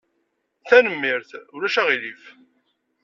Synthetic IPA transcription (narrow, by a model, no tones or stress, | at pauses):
θænəmːiɾθʊɾæʃæʁilif